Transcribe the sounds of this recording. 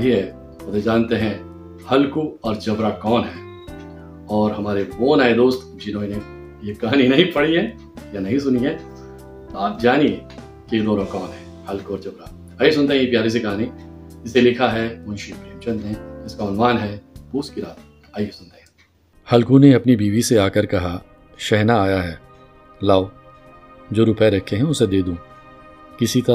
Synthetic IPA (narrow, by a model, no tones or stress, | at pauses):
iɦɛ | ɐd̪ed͡ʒaːnt̪eɦɛ̃ | hɐlkuɔːɾd͡ʒɐbɾakɔːnɦɛː | ɔːɾɦɐmaːɾeboːnaːed̪oːst̪ | d͡ʒɪnoːine | jekɐɦaːninɐɦĩpɐɽiɦɛ | janɐɦĩsʊniɦɛ̃ | t̪oaːp̚d͡ʒaːnie | kejed̪oːnõkɔːnɦɛː | hɐlkuɔːɾd͡ʒɐbɾa | aːjes̬ʊ̃nt̪eɦɛ̃jepjaːɾis̬ekɐɦaːnid͡ʒɪselɪkʰaɦɛmʊ̃nʃibeɐ̃mt͡ʃɐ̃nt̪ɦɛ̃ɪskaʊnʋaːnɦɛpuːskiɾaːt̪̚ | aːjesʊnt̪eɦɛ | hɐlkũneɐpnibiːʋiseaːkəɾkɐɦa | ʃɛɦnaːjaɦɛː | laːo | d͡ʒoːɾʊpeɾɐkʰːeɦɛ̃ʊsed̪eːd̪ũː | kɪsit̪ɐ